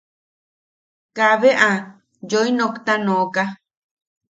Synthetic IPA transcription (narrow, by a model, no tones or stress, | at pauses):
kaβeʔa | joinõkt̪anõka